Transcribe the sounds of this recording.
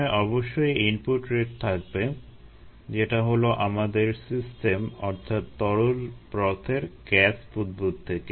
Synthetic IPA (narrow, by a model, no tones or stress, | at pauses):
ʔɔboʃːojimpuʈɾeʈ̚t̪ʰak̚be | d͡ʑeʈaɦoloʔamad̪eɾsisʈemɔ̰ɾt̪ʰat̪ːɔɾolpɾɔt̪ʰeɾɡɛspud̪̚but̪̚t̪ʰːeke